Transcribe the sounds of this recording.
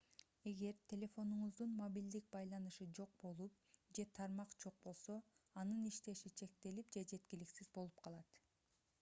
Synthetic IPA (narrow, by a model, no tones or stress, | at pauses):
e̞ɡe̞ɾt̪ʲʰe̞lʲe̞fo̞nuɴuzd̪unmobʲild̪ik̚bɑjlˠɑnɯʃɯd͡ʒo̞q̚bo̞lˠup̚ | d͡ʒe̞t̪ʰɑɾmɑqd͡ʒo̞q̚bo̞lˠso̞ɑnɯniʃt̪e̞ʃit͡ʃʰe̞k̚t̪e̞lip̚d͡ʒe̞d͡ʒe̞t̪kʲiliksizbo̞lˠup̚qʰɑlˠɑt̪